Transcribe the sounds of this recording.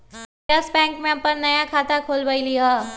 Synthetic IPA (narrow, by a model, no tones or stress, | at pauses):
ɐsbɛ̃ːŋkmẽɐpəɾnɐjakʰaːt̪akʰoːlbailija